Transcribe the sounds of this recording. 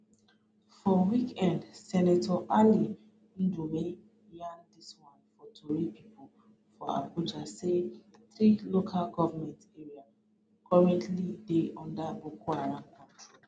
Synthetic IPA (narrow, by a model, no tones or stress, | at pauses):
fɔwikɛ̃ndsɛnatʰɔʔali | ndumẽ | jãndiswãnfɔtʰoɹipipʰɔl | fɔa̰bud͡ʒaseθɹilokʰalɡɔvamɛ̃ntɛɹia | kʰɔɹɛ̃ntlideʔɔ̃ndabokʰwaɹãŋkʰãti